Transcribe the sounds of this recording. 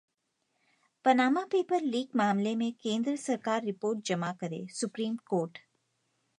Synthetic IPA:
pɐnaːmapeːpəɾliːɡmaːmlemẽkẽːnd̪ɾəsɐɾkaːɾːɪpoːɾʈ̚d͡ʒɐmakɐɾḛsʊpɾiːmkoːɾʈ

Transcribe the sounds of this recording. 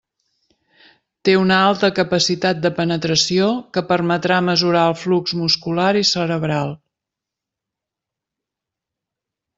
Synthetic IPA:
t̪eunəalˠt̪əkəpəsit̪at̪̚d̪əpənət̪ɾəsiokəpərmət̪ɾaməzuɾaəlˠflukzmuskulaɾisəɾəβɾalˠ

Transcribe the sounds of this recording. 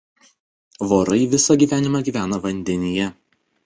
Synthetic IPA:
ʋoːɾɐɪʋʲɪsɐɡʲiːʋʲæːnʲɪmɑɡʲiːʋʲæːnɐʋɐnʲd̪ʲɛnʲɪjɛ

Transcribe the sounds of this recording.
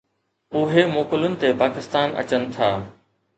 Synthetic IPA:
ʊɦemoːkəlʊnɪ̆t̪epaːkɪst̪aːnɐ̰t͡ɕənɪ̆t̪ʰaː

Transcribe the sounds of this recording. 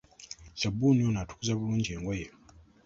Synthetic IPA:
ʃabunionatʰu̥kuzaβuluːɲd͡ʒieːŋɡweje

